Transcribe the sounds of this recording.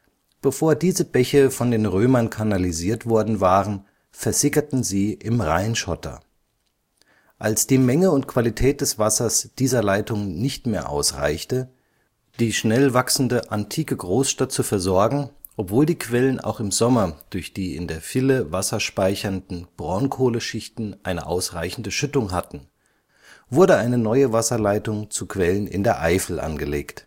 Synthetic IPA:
b̥əfoːɐdiːzəbɛçəfɔndeːnʁøːmɐnkʰanaliziːɐtv̥ɔɐdn̩vaːʁən | fɛɐzɪkɐtn̩ziːʔɪmʁa̰ɪnʃɔtʰɐ̰ | ʔalsd̥iːmɛŋəʊntkv̥alitʰɛːt̚d̥ɛsv̥asɐsd̥iːzɐlaɪtʊŋnɪçtmeːɐʔa̰ʊsʁa̰ɪçtə | d̥iːʃnɛlvaksn̩dəʔantʰiːkəɡʁoːsʃtat̚t͡sufɛɐzɔɐɡŋ̩ | ʔɔpv̥oːldiːkv̥ɛlənʔa̰ʊxɪmzɔmɐd̥ʊɐçd̥iːʔɪ̰ndeːɐfɪləvasɐʃpaɪçɐndn̩b̥ʁɔnkʰoːləʃɪçtn̩ʔaɪnə̰ʔaʊsʁaɪçn̩dəʃʏtʊŋɦatn̩ | vʊɐdəʔaɪnənɔʏəvasɐlaɪtʊŋt͡sukv̥ɛlənɪ̰ndeːɐʔaɪfl̩ʔa̰nɡəlḛːkt

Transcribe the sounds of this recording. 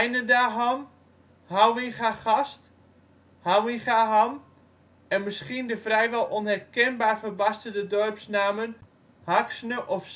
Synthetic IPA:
jnədaɦɔm | hawiŋχaχast | hawinχaɦɔm | ɛnmɪskindəfrɛjʋɛlˠʔɔnɛrkɛnbaːrfərbastədədɔrpsnaːmən | haksnəʔɔf

